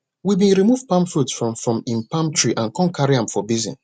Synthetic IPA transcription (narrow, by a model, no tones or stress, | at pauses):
wibĩnɹimuvpãmfɹutsfɹɔ̃mfɹɔ̃mĩnpãmtʰɹiʔãnkɔ̃nkaɹiãmfɔbizɛ̰̃n